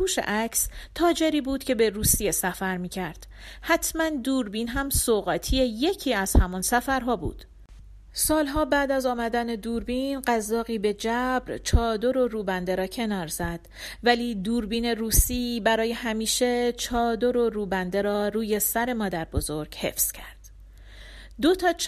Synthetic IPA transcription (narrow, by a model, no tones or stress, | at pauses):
uːʃḛʔæcʰst̪ʰɒːd͡ʒe̞ɾiːbuːd̪cʰe̞be̞ɾuːsije̞sæfæɾmiːcʰæɾd̪̥ | hæt̪ʰmænd̪uːɾbiːnɦæmsoɣæt̪ʰieje̞cʰiːæz̥hæmɒnsæfæɾɦɒːbṵːd̪̥ | sɒːlɦɒːbæːd̪æzɒːmæd̪æne̞d̪uːɾbinɢæzːɒːɣiːbe̞d͡ʒæbɾt͡ʃʰɒːd̪o̞ɾo̞ɾuːbænd̪e̞ɾɒːcʰe̞nɒːɾz̥æd̪̥væliːd̪uːɾbiːne̞ruːsiːbæɾɒːje̞hæmiːʃe̞t͡ʃʰɒːd̪o̞ɾo̞ɾuːbænd̪e̞ɾɒːɾuːje̞sæɾe̞mɒːd̪æɾbo̞zo̞ɾɟ̥he̞̰fz̥cʰæɾd̪̥ | d̪o̞t̪ʰɒː